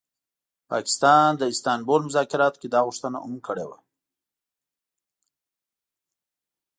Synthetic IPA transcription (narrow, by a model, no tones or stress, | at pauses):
pɑkɪ̥st̪ɑnd̪əɪst̪ɑnbolmʊzɑkɪɾɑt̪ked̪ɑɣʊʂt̪əna̰ʊ̰mkəɽewa